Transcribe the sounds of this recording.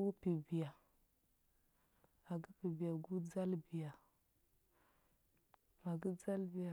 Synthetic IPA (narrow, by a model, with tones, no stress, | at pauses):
u˦pi˨bi˨ja˨ | a˨ɡi˦pi˨bi˨ja˨ɡu˦d͡za˦lbi˨ja˨ | a˨ɡi˦d͡za˦lbi˦ja˨